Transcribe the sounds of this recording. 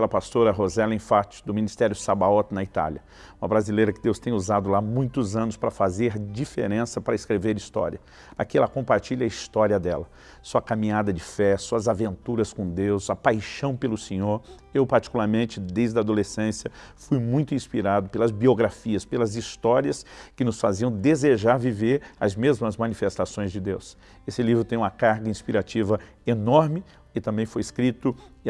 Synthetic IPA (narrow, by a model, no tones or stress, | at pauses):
plɐpast̪oɾɐɦozɛlẽfat͡ʃɪ̥d̪ʊmĩnist̪ɛɾjʊsabaɔt̪nɐit̪a̰lɐ | ũmɐbɾazilejɾɐkɪd̪ewst̪ẽj̃uzad̪ʊlamũj̃t̪ʊzɐ̃nʊspɾɐfazeɾd͡ʒifḛɾẽsɐpɾɐɪskɾeveɾist̪ɔ̰ɾiɐ | akiɛlɐkõpaɾt͡ʃiʎɐist̪ɔɾiɐd̪ɛlɐ | suɐkamĩɲad̪ɐd͡ʒɪfɛsuɐzavẽnt̪uɾɐskõd̪ewzɐpajʃɐ̃w̃pelʊsẽɲoɾ | ewpaɾt͡ʃi̥kulaɾmẽnt͡ʃɪd̪ejzd̪ɐad̪olesẽsjɐfujmũj̃t̪ʊĩspiɾad̪ʊpelɐzbioɡɾafiɐspelɐzist̪ɔɾiɐskɪnʊsfaziɐ̃w̃d̪ezeʒaɾviveɾɐ̰zmezmɐzmɐ̃nifest̪asõj̃zd͡ʒɪd̪ews | esɪlivɾʊt̪ẽj̃ũmɐkaɾɡɐĩspiɾat͡ʃivɐ | enɔɾmɪ | ɪt̪ɐ̃mbẽj̃fojɪskɾit̪ʊ